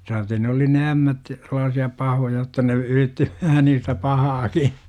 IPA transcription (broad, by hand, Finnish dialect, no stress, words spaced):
sɑːte ne oli ne æmːæt selːɑːsiɑ pɑhojɑ jotːɑ ne yritːi ʋæhæ niːstæ pɑhɑːki